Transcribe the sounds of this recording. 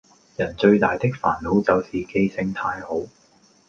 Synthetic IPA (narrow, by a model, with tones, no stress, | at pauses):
jɐ˨˩nt͡ʃɵ˧ɥt̪aː˨jt̪ɪ˥k̚fa̰ː˨˩nlo˨˥wt͡sɐ˨˧wsiː˨ke˧jsɪ˧ŋt̪ʰaː˧jho˨˥w